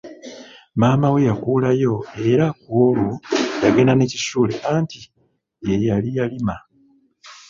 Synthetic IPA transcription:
maːmawe̞jakuːlajo̞e̞ɾakwolojaɡe̞naneciʃuːle̞ʔanti | jejalijalima

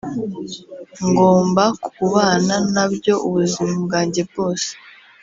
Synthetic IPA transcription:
ŋɡo̞ːmbakuβaːnanabjo̞ʔuβuzimab̚ɡaːɲɟe̞b̚ɡo̞ːse̥

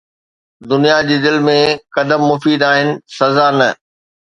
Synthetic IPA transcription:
d̪ʊnijad͡ʑiːd̪ɪlmẽkɐd̪əmːʊfiːd̪aːɦɪnɪ̆sɐzanɐ

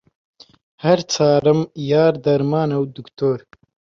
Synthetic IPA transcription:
haɾt͡sɑːɾəmjɑːɾd̪ɐɾmɑːnawd̪ukt̪oːɾ

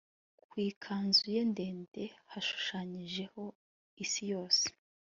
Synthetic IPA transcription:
kwiːkʰaːnzuje̞nde̞ːnde̞haʃu̥ʃaɲiʒe̞ho̞ | isijo̞ːse̥

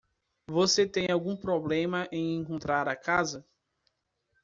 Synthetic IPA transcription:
voset̪ẽj̃awɡũpɾoblẽmɐʔẽj̃ẽŋkõnt̪ɾaɾɐkazɐ

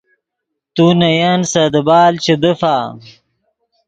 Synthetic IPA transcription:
t̪unɐjansɐd̪əbaːlt͡ɕed̪əfaː

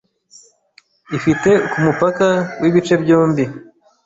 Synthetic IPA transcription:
ifite̞kumupakawʔiβit͡ʃe̞bjoːmbi

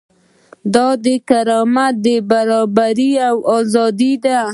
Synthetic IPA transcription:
d̪ɑd̪əkaɾɑmat̪̚d̪əbaɾɑbaɾiawɑzɑd̪id̪a

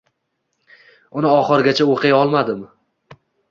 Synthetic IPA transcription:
ʊnɪɒχɨɾɡʲat͡ʃʰaoqʰɨjɒlˠmad̪ɪm

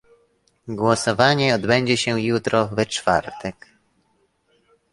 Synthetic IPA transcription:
ɡwɔsɔvaɲɛɔd̪bɛɲd͡ʑɛɕɛjut̪ɾɔvɛt͡ʂfa̰ɾt̪ʰɛk

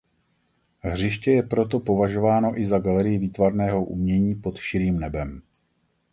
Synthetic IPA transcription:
ɦr̝ɪʃcɛjɛpɾo̞t̪̬o̞po̞vaʒo̞vaːno̞ʔɪzaɡalɛɾɪjɪviːt̪vaɾnɛːɦo̞ʔṵmɲɛɲiːpo̞t̪ʃɪɾiːmnɛbɛm

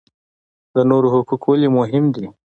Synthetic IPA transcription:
d̪ənoɾoɦʊkukwəlimʊɦɪmd̪i

